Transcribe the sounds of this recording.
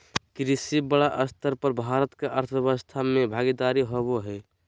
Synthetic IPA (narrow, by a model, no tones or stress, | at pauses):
kɾisibəɽaʔəst̪ʰəɾpəɾbʱaːɾət̪keʔəɾt̪ʰjəʋəst̪ʰamẽbʱaːɡid̪aːɾiɦoboɦɛ